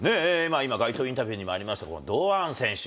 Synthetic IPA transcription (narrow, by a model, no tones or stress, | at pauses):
ne̞maimaɡait̪oːĩnt̪abʲɨɯːɲ̟imo̞aɾʲimaɕi̥t̪ako̞̰nod̪oːãɰ̃sẽ̞ɰ̃ɕ